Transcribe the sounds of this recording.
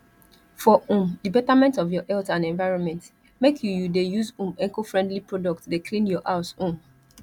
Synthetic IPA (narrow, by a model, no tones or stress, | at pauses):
fɔʔũmdibɛtamɛ̃ntɔvjɔʔɛltãnɛ̃nvaɪɹɔ̃nmɛ̃nt | mekʰjujudejuzũmɛ̃ŋkofɹɛ̃ndlipɹɔdɔk̚tdekʰlĩnjɔʔaʊsũm